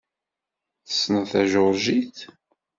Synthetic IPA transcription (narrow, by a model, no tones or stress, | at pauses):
θə̥sːnəθæʒʊɾʒiθ